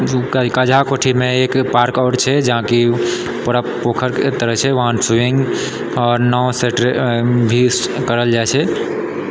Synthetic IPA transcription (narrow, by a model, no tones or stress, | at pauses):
kəd͡ʒʱakoʈʰimeekpaɾkaʈt͡ʃʰɛd͡ʒəɦãki | pəɾəppokʰəɾt̪əɾəɦt͡ʃʰɛʋəɦansuiŋɡ | ɔːɾnɔwseʈɾbʱi | kəɾəld͡ʒajt͡ʃʰɛ